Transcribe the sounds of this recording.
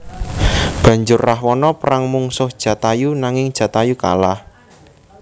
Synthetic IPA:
b̥ä̤ɲd͡ʒʊrːahwɔnɔpəɾaŋmuŋsʊhd̥ʒ̥ä̤t̪ajunaŋɪŋd̥ʒ̥ä̤t̪ajuka̰lah

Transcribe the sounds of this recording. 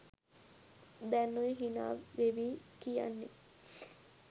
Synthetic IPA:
d̪ænːueɦina̰ːʋeʋiːkija̰nːe

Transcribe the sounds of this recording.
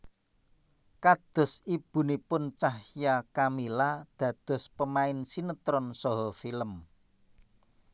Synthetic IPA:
kad̪̥ʊ̤sib̥ṳnipʊnt͡ʃahjakamilad̪̥ä̤d̪̥ʊ̤spəmaɪnsinət̪ɾɔnsɔɦɔfiləm

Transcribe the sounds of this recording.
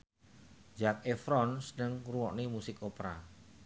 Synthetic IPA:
d͡ʒak̚efɾɔnsənəŋruwɔʔnimusɪkopɾa̰

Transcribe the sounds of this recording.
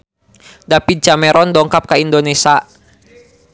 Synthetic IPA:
dapit̪̚d͡ʒamɛɾʔɔndɔŋkap̚kaindonɛsa

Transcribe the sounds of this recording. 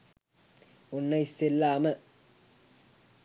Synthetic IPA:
ɔnːɐɪsɛlːaːmɐ

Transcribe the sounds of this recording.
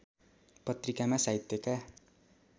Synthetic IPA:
pʌt̪rikamasajt̪ːjeka

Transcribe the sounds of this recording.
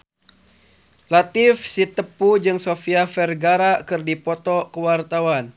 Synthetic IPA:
lat̪ɪfsit̪əpud͡ʒɨŋsofiafɛrɡaɾaʔkɨrdipɔt̪ɔkəwart̪awan

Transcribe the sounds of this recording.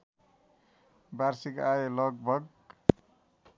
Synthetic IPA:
baɾsikaelʌɡ̚bʱʌɡ

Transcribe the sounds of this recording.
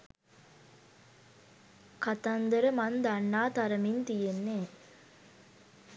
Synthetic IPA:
kɐt̪ɐnd̪ɐɾɐmɐnd̪ɐnːaːt̪ɐɾɐmint̪ijenːeː

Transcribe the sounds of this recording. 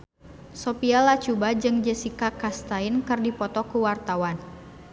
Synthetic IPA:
sopialat͡ʃubad͡ʒɨŋd͡ʒɛsikakast̪ainkɨrdipɔt̪ɔkuwart̪awan

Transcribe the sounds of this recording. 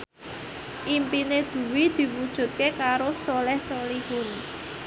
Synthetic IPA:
ʔimpined̪̥ṳwid̪̥i̤wud̥ʒ̥ṳt̪̚kekaɾosolɛhsolihʊn

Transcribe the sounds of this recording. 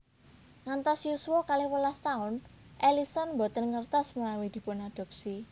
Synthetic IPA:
ŋant̪ɔsjuswɔkalewəlast̪aʊn | ʔelisɔnmbɔ̤t̪ənŋərt̪asmunawid̪̥i̤ponad̪̥ɔ̤k̚si

